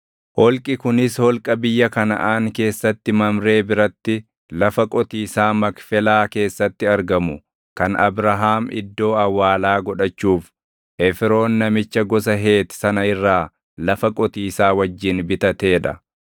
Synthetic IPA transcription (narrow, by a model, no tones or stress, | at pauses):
hɔlkʼɪkʊnɪshɔlkʼɐbɪjːɐkɐnɐ̰ʔaːŋke̞ːsːɐt̪ːɪmɐmɾe̞ːbɪɾɐt̪ːɪ | lɐfɐkʼɔt̪iːsaːmɐkfɛlaːke̞ːsːɐt̪ːɪɐɾɡɐmʊ | kɐnɐ̰bɾɐɦaːmɪ̰d̪ːo̞ːɐwːaːlaːɡɔᶑɐt͡ʃːuːf | ʔɛfɾo̞ːnːɐmɪt͡ʃːɐɡɔs̬ɐɦe̞ːt̪sɐnɐɪrːaː | lɐfɐkʼɔt̪iːsaːwɐd͡ʒːɪnbɪt̪ɐt̪e̞ːᶑɐ̰